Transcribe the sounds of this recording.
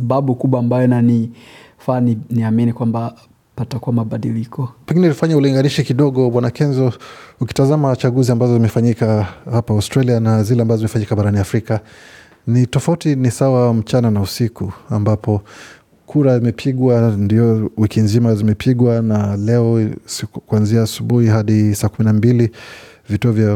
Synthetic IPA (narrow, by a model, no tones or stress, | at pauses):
saɓaɓukuɓwaːmbajɔnani | faniniaminikwamba | patakuwamaɓaɗilikɔpɛŋɡinɛlifaɲauliŋɡaniʃikiɗɔɠɔɓwanakɛnzɔuki̥tazamat͡ʃaɠuziambazɔzimɛfaɲikahapaastɾalianazilɛambazɔzimɛfaɲikaɓaɾaniafɾika | nitɔfautinisawam̩t͡ʃananausikuambapɔ | kʰuɾazimɛpʰiɠwandiɔwikinzimazimɛpʰiɠwanalɛɔ | kwanziaːsuɓuhiɦaɗisaːkuminambili | vituɔvja